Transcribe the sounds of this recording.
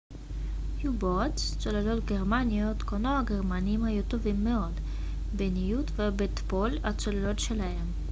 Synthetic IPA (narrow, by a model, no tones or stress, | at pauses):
jubot͡s | t͡solalo̞t̪ɡeʁmaniot̪konoaɡeʁmaniimhajut̪o̞vimːeo̞d | benijut̪vebet̪polat͡solalo̞t̪ʃe̞lahe̞m